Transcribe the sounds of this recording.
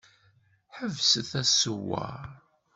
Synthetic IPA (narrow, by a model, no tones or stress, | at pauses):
ħəvsəθæsuwa̰